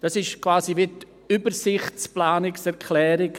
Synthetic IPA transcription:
d̥ɑsɪʃkvaːsivɪt | ybəɾsɪχtt͡splaːnɪksɛʁkʰlɛːɾɪɡ

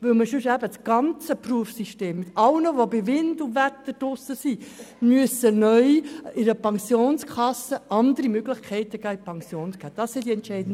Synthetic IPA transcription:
ʋɪlməʃʉʃæbət͡sɡ̥ɑnt͡səpruəfsiʃteːmːɪt̪ɑlnəʋobɪʋɪndʊvɛt̪ːəd̥ʊsəsimyəsənœʏɪɾəpʰɑŋsjoːnskʰɑsəʔɑnd̪əɾimøɡlɪχkʰɛɪt̪əɡæːɪpʰɑŋsjoːnsɡ̥æːd̥ɑsːidiɛntʃɛɪdn̩d

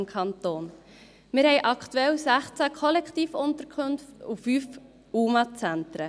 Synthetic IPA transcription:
mkʰχɑnt̪oːn | mɪɾhɛɪjʔɑkt̪uɛlsæχt͡sækʰɔlɛktiːfʊnt̪əɾkʰχɵnftufyːf | uːmɑt͡sænt̪ɾə

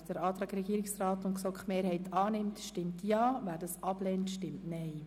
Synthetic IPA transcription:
sd̥əɾɑːt̪ɾɑːɡɾɛɡiːɾɪksrɑːtʊntksɔkχmeːɾhɛɪtʰɑːnɪmtʃtɪmtjɑːʋæːɾdɑsɑb̥lɛːntʃtɪmtnɛɪ

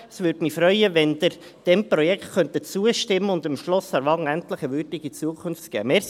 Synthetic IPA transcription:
əsʋʏɾd̥mifɾœʏəʋɛnd̪əɾ | d̥ɛmpɾɔjɛkχt̪χœnt̪ət͡suəʃtɪmːəʊnd̪ɪmʃlɔsæɾʋɑŋænt̪ləχəʋʏɾdɪɡit͡suəkʰʊnftɡ̥ɛ̰ːmɛːɾ

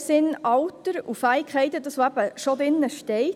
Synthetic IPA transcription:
sɪnɑwtəɾufæɪkχɛɪt̪əd̪ɑsʋoæb̥əʃodɾɪnːəʃtɛɪt

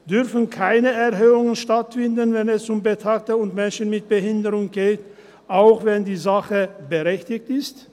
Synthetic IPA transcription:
d̥ʏʁfən̩kʰaɪnəɛɐɦøːʊŋənʃtatfɪndnvɛnɛsʊmbətʰak̚təʊntmɛnʃən̩mɪt̚b̥əhɪndəʁʊŋɡeːt | ʔaʊxvɛndiːzaχəbəʁɛçtɪktɪst

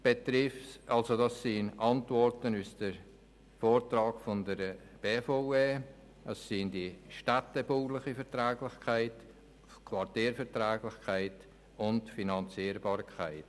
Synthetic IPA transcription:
b̥et̪ɾɪfsɑlsodɑsːinɑntvɔɾtənusd̥əɾ | foːɾtrɑːɡfɔndəɾ | b̥eːfoeː | əsːindiʃtatɛbuːlɪχifɛɾtɾɛːɡlɪχkʰaɪt | kʰvɑɾtiːɾfɛɾtɾɛːɡlɪχkʰaɪt | ʊntfinɑnt͡siːɾbɑːɾkʰaɪt

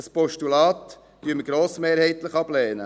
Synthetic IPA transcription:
əspɔʃtulɑːt̪ | d̥yəməɡ̥ɾoːsmeːɾhɛɪt̪ləχɑblɛːnə̰

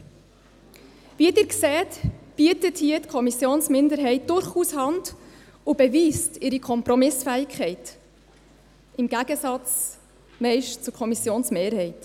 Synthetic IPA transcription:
ʋiədɪɾksɛːtb̥yətəthiətkʰɔmisjoːnsmɪndəɾɦɛɪt̚d̥ʊɾχuːshɑnd | ʊbɛviːstɪɾikʰɔmpɾɔmɪsfæːɪkʰχɛɪt | ɪmɡ̥æɡəsɑt͡s | mɛɪʃtt͡sʊkʰɔmisjoːnsmeːɾhɛɪt

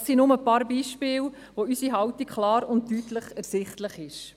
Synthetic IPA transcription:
sinʊməpɑːɾbiːʃpɪːl | ʋoysiɦɑwtikkχlɑːɾʊnttyːtləχɛɾsɪχtləχɪʃ

